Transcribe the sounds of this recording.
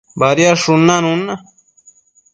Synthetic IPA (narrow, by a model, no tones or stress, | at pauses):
baɾjaʂunːanũna